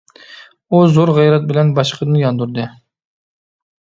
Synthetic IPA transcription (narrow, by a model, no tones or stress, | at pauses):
uzoɾʁɛjɾɛt̪̚bɪlɛnbɑʃqʰəd̪ɨnjɑnd̪uɾd̪ɨ